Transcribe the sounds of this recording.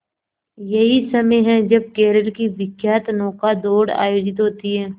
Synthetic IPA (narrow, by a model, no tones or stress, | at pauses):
jɐɦisɐməjɦɛ̃d͡ʒɐb̚keːɾəɽkiʋɪkjaːt̪nɔːkad̪oːɽa̰ːjoːd͡ʒɪt̪ɦoːt̪iɦɛː